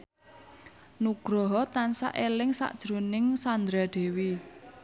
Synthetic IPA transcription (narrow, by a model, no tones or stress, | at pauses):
nuɡ̥ɾɔɦɔt̪ansa̰ʔelɪŋsa̰ʔd̥ʒ̥ɾo̤nɪŋsand̪ɾad̪̥e̤wi